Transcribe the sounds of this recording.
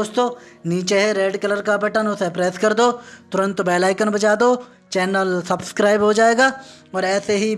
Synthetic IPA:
oːst̪õːniːt͡ʃeɦɛɾeːɖkɐləɾkabɐʈənʊsepɾɛːskɐɾd̪oːt̪ʊɾə̃nt̪bɛːlaːɪkənbɐt͡ʃaːd̪oː | t͡ʃɛːnəlsɐbskɾaːɪbɦod͡ʒaːeːɡaː | ɔːɾɛːseɦi

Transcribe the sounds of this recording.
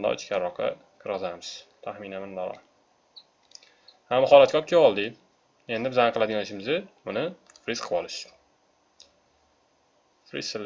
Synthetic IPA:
nd̪̰ʊ̰t͡ʃkʲaɾːɒqʰɑ̰ | kʰɨɾɨzaɾmɪz̥t̪ʰahminamɪnd̪aɾɒ̰ | hamːχɒlat̪̚kʲʰɒp̚kʲʰeɒlˠd̪ɪ | e̞nd̪ɪbɪzanqʰɨlˠad̪ɪɡʲanɪʃɪmɪzɪʊnɪ | fɾisqʰɨpɒlɪʃ | fɾḭsːɪlː

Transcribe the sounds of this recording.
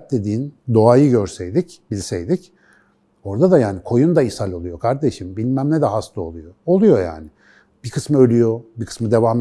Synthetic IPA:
t̪̚d̪e̞d̪iːind̪o̞ajɯɟøɾsejd̪icbilʲsejd̪ic | o̞ɾd̪ad̪ajaːnikʰo̞jund̪aisalʲo̞lˠujo̞kʰaɾd̪e̞ʃimbilʲmæmlʲɛd̪ɛɦast̪ˠao̞̰lˠujoolˠujo̞ja̰ːnɪ | b̥ikʰɯsmɯø̞lʲyjo̞bikʰɯ̥smɯd̪e̞vaːm

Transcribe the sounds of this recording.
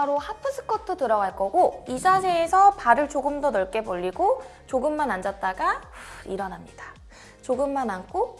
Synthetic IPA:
aɾohapʰɯsʰɯ̥k͈ʰʌt͈ʰːotɯɾʌɡaɭk͈ʌɡoisʰasʰeːsʰʌpaɾɯɭt͡ɕoɡɯmdʌnʌɭk͈e̞boʎːiɡo | t͡ɕoɡɯmːanand͡ʑʌt̚t͈aɡaḭɾʌnɦamɲid̥ḁ | t͡ɕoɡɯmːanankʰo

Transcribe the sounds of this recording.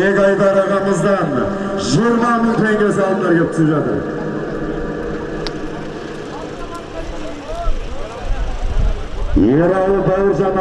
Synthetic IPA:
ekɑjd̪ɑɾɑʁɑməzd̪ɑnʒʊɾmɑməlˠt̪ʰæjnes̬ɑlˠənd̪ɑɾɡʲep̚t̪ʰɪsəpʒɑt̪ə̰ɾ | jeɾɑlˠəbɑɪɾʒɑm

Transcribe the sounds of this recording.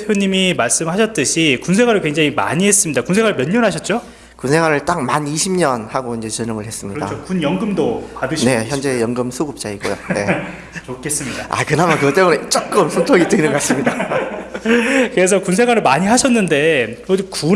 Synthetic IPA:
joɲimimaɭs͈ɯmhaɕʰʌt̚t͈ɯɕʰikunsʰe̞ɡwaɾɯɭkweŋd͡ʑaŋima̰ɲiɦe̞s͈ɯmɲidakunsʰeɡwaɾɯɭmjʌɲːʌnɦaɕ̬ʰʌt̚t͡ɕ͈o | kunsʰe̞ɡwaɾɯɭt͈ak̚maniɕʰimɲʌnhaɡoind͡ʑe̞t͡ɕɯnɯŋɯɭhes͈ɯmɲiʌda̰t͡ɕʰokunjʌŋɡɯmdopadɯɕʰne̞çjʌnd͡ʑe̞jʌŋɡɯmsʰuɡup̚t͡ɕ͈aiɡo̰jone̞ | t͡ɕokʰːe̞s͈ɯmɲidaa̰kɯnamankɯʌt͈ebunet͡ɕ͈ok̚k͈ɯmsʰuntʰoɡit͈ɯinɯnɡas͈ɯmɲida | kɯɾe̞s̬ʰʌkunsʰe̞ɡwaɾɯɭmaɲiɦaɕʰʌnːɯnde̞od͡ʑku

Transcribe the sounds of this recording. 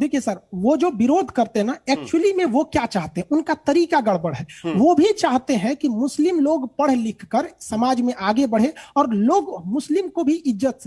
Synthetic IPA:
d̪eːkʰijesɐɾʋod͡ʒoːʋɪɾoːd̪ʱkɐɾt̪eɦɛnaɛːk̚t͡ʃulimẽʋokjaːt͡ʃaːɦt̪eɦɛ̃ʊnkat̪ɐɾiːkaɡɐɽ̤bəɽ̤ɦɛːʋobʱit͡ʃaːɦt̪eɦɛ̃kimʊslɪmloːɡpɐɽ̤lɪkʰkəɾsɐmaːd͡ʒmẽʔaːɡebɐɽ̤eɔːɾloːɡmʊslɪmkobʱiʔɪzːət̪se

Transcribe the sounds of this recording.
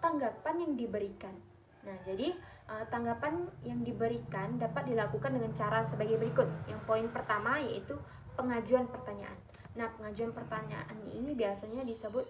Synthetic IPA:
t̪aŋɡapanjaŋdibəɾikanː | ahd͡ʒadiʔət̪aŋɡapanjaŋdibəɾikandapat̪̚dilakukandəŋant͡ʃaɾasəbaɡajbəɾikʊt̪̚jaŋpoɪnpərt̪amajait̪u | pəŋad͡ʒuanpərt̪aɲa̰ʔa̰nː | ahpəŋad͡ʒuanpərt̪aɲa̰ʔanḭnibiasaɲadisəbʊt̪̚

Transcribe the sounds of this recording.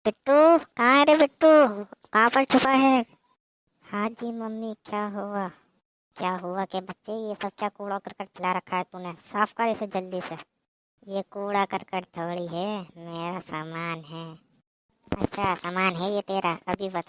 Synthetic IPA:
b̥ɪʈːukɐɦãɦɛɾebɪʈːukɐɦãpəɾt͡ʃʰʊpaɦɛ | hãːd͡ʒiːmɐmːikjaːɦua | kjaːɦʊakebɐtːʃejesɐb̚kjakuːɽakɐɾkəʈpʰɪlaɾɐkʰaɦɛt̪unẽsaːpʰkəɾesed͡ʒɐld̪iːsɛ | jekuːɽakɐɾkəɾt̪ʰoːɽiɦɛmeːɾasaːmaːnɦɛː | ɐ̰tːʃʰasaːmaːnɦɛjet̪eːɾaɐbʱibɐt̪

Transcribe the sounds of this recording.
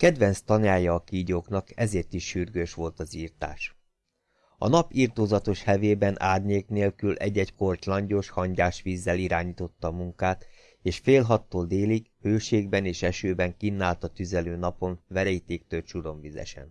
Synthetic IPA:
kɛd̪ʋɛnst̪ɒnaːjɒːkiːɟoːkn̪ɒkɛzeːrt̪iʃːyrɡøːʃʋo̞lt̪ɒziːrt̪a̰ːʃ | ɒ̰nɒpiːrt̪oːzɒt̪o̞ʃhɛveːbɛnʔa̰ːd̪neːlkneːlkylʔɛ̰ɟːɛcko̞rclɒɲɟo̞ʃhɒɲɟaːʃʋiːzːɛliɾaːɲiːt̪o̞t̪ːɒːmuŋkaːt̪ | eːʃfeːlɦɒt̪ːoːld̪eːlikhøːʃeːɡ̚bɛneːʃɛʃøːbɛŋkinːaːlt̪ɒt̪yzɛløːnɒpo̞nvɛɾɛjit̪eːk̚t̪ølʃuɾo̞ɱvizɛ̰ʃɛ̰n

